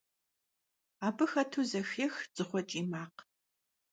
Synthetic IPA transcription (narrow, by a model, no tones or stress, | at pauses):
aːbɨxɐtʰuːzɐxexz̥ɨχʷɔt͡ʃʼiːmaːq